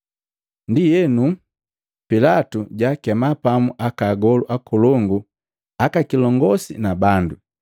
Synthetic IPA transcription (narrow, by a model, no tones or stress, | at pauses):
ndijɛnu | pilatuɟakɛmapamuʔakaɡɔluʔakulɔŋɡu | akakilɔŋɡɔsḭnabandu